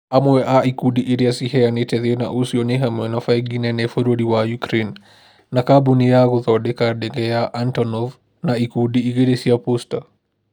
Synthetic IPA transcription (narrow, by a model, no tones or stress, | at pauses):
amwɛʔaikudiʔiɾiasihɛjanetɛðena̰ʔusiɔneɦamwɛnafajɡinɛnɛfoɾoɾiwajukɾenː | akabunijaɣuðɔɗɛkaɗɛŋɡɛjaʔantɔnɔv | naikudiːɣeɾesiapusta